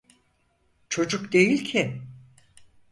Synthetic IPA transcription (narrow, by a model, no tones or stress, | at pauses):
t͡ʃʰo̞d͡ʒukd̪e̞jilʲcʰɪ